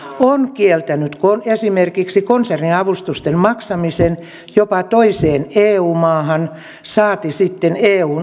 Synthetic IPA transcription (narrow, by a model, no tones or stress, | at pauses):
onkielt̪ænyt̪konesimerkiksikonserniɑʋust̪ust̪emmɑksɑmisen | jopɑt̪oiseːneːuːmɑːhɑn | sɑːt̪isit̪ːeneːuːn